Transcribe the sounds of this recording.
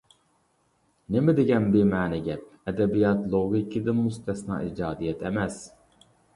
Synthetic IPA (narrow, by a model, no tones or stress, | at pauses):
nemɪd̪eɡʲɛnbiɾmæːnɛɡʲɛp̚ɛd̪ɛbijɑt̪lˠoɡikʰid̪ɪnmust̪ʰɛsnɑ̰ːʔiːd͡ʒɑːd̪ijɛt̪ʰɛmɛz̥